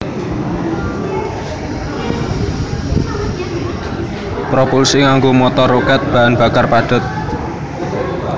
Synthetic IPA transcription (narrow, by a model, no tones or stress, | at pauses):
pɾopulsiŋaŋɡomɔt̪ɔrokɛt̪̚b̥a̤ʔanb̥a̤karpaɖ̥ʊ̤t̪̚